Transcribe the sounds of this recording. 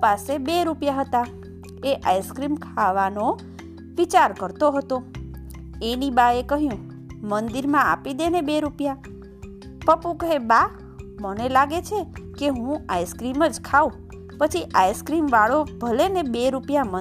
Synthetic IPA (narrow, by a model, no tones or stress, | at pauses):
pasebeɾupjaɦət̪a | eʔajskɾimkʰaʋano | ʋit͡ʃaɾkəɾt̪oɦət̪o | enibaekəɦjũ | mənd̪iɾmãa̰pid̪enebeɾupja | pəpũkəɦeba | mənelaɡet͡ʃʰekeɦũajskɾiməd͡ʒkʰaũ | pət͡ʃʰiʔajskɾimʋaɭobʱəlenebeɾupjamə